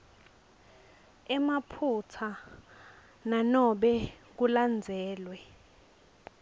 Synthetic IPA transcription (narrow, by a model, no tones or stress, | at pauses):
ɛmapʰut͡sʰa | nanɔɓɛk̬uland͡zʱɛːlwɛ